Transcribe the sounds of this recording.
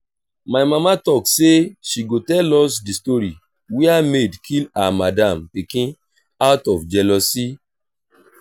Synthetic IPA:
majmamatɔkseʃiɡotɛlɔsdistoɾi | wɛamedkʰilamadãmpikĩ | atɔfd͡ʒɛlɔsi

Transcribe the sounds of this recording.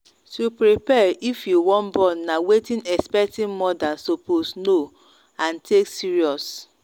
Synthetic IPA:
tupɹipɛɹifjuwɔ̃nbɔ̃nːawetĩnɛkspɛk̚tĩnmɔdasoposno | ãntʰeksiɹiɔs

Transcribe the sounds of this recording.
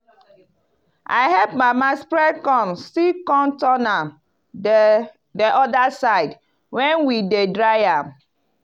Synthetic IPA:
ʔa̰ɪɦɛpmamaspɹɛkɔ̃msikɔ̃ntɔnam | dɛʔɔdasaɪd | wɛ̃nwidedɹaɪam

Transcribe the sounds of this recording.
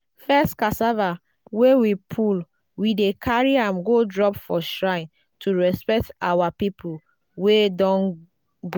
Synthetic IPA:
fɛstkasava | wewipʰul | widekʰaɹiãmɡodɹɔpfɔʃɹãɪ̃n | tʰuɹɛspɛk̚tawapipʰul | wedɔ̃n | ɡ

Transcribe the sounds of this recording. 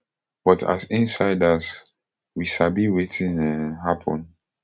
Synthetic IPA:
b̥ɔtʰa̰sĩnsaɪdas | wiʃabiwetʰĩnɛɦapʰɔ̰̃n

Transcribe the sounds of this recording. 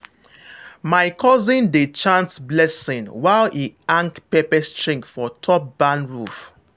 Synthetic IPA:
maɪkʰɔzĩndet͡ʃãnsblɛsĩnwaɪlʔiãŋkpɛpɛstɹĩŋkfɔtʰɔp̚b̥ãnɹuf

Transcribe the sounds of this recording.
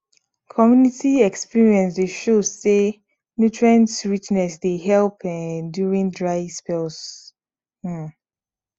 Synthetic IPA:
kʰɔmjunitiɛkspiɹiɛ̃nsdeʃozse | njutɹãntɹit͡ʃnɛsdeɦɛlˠpɛduɹĩndɹaɪspɛls̩

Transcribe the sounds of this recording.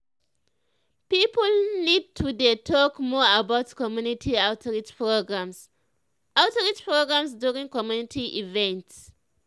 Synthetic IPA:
pipolnid̚tʰudetʰɔkmɔabaʊtkɔmjunitʰiaʊtʰɹit͡ʃpɹoɡɹãms | aʊtɔɹit͡ʃpɹoɡɹãmsdjuɹĩŋkɔmjunitʰiʔivɛ̃nts

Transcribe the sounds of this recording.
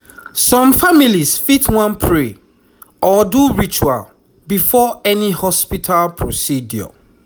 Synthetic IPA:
sɔ̃mfamilisfitʰwɔ̃npʰɹe | ɔduɹit͡ʃua̰l | bifɔɛnihɔspitʰalpʰɹosidjɔ̰

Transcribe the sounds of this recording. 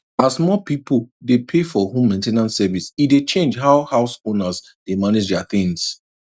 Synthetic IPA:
asmɔpipl̩depʰefɔɦũmːẽntenãntsɛvisidet͡ʃẽnd͡ʒɦaʊhaʊsõnas | d̥emaned͡ʒdɛaθɪ̃ŋs

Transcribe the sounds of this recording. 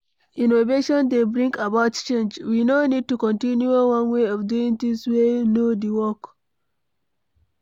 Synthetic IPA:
ĩnoveʃɔ̃ndebɹĩŋkabaʊtt͡ʃẽnd͡ʒwinonid̚tukɔ̃ntĩnjuowãnweɔvduĩŋt̪ĩŋswenodiwɔk

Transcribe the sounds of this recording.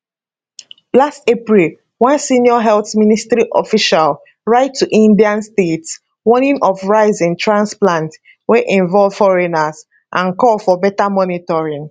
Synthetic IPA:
lastepɹil | wãnsĩniɔɦɛlθministɹiʔɔfiʃal | ɹaɪtʰːuʔĩndiãnstets | wɔnĩnʔɔfɹaɪzĩntʰɹãnsplãnt | weʔĩɱvɔlv̥fɔɹɛnaz | ʔãnkɔlfɔbɛtamɔnitɔɹĩŋ

